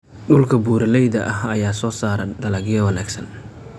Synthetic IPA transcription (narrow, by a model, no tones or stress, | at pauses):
ɗʊlkʰɐbuːɾɐlɛjðɐʔɐɦɐjaːsɔːsaːɾɐɖɐlɐɡjɐwɐnaːɡsɐn